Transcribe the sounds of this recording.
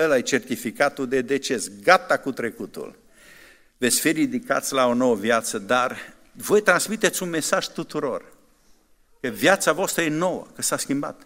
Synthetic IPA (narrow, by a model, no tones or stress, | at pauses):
əlajt͡ʃe̞rt̪ifikat̪uld̪e̞d̪e̞t͡ʃe̞sɡat̪akut̪ɾe̞kut̪ṵl | vet̪sʲfirid̪ika̰t̪sʲlao̞no̞wəvjat̪səd̪ar | vo̞jt̪ɾansmit̪et̪sʲunme̞saʒ̥t̪ut̪uɾo̞r | kəvjat̪savoast̪ɾəje̞no̞wə̰kəsaskʲimba̰t̪